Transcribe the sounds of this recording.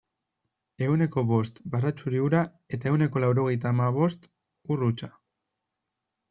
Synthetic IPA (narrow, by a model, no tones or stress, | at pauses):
e̞une̞ko̞βo̞st̪barat͡ʃuɾiuɾa | e̞t̪ae̞wne̞ko̞lawɾo̞ɣ̞e̞jt̪aːmaβ̞o̞st̪ | urut͡ʃa